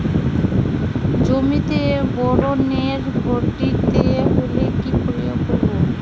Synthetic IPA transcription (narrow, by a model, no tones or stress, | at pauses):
d͡ʑomit̪ebɔɾoneɾboʈit̪eɦolekipɾiokɔɾo